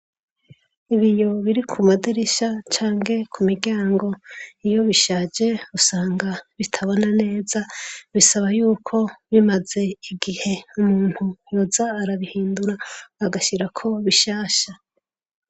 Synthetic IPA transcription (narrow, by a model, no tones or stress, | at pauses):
iβijo̞βiɾikʰumadiɾiʃat͡ʃaːŋɡe̞kʰumiɾɟaːŋɡo̞ijo̞βiʃaːd͡ʒe̞usaːŋɡaβitʰaβonane̞ːzaβisaβajuːkʰo̞βimaze̞iɡihe̞umuːn̥hujozaːɾaβihiːnduɾaːɡaʃiɾakʰo̞βiʃaːʃa